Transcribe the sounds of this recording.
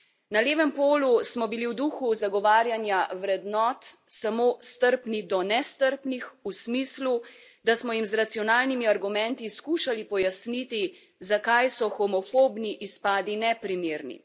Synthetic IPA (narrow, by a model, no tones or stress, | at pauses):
naleːʋɛmpoːlusmɔbiliwd̪uːxuzaɡɔʋaːɾjanjawɾɛd̪nɔːt̪samoːst̪əɾpnid̪ɔnɛst̪əɾpnixusmiːslu | d̪asmɔjimzɾat̪sijɔnaːlnimiaɾɡumɛ̃nt̪iskuːʃalipɔjasnit̪i | zakajsɔxɔmɔfoːbniʔispaːd̪inɛpɾimeːɾnḭ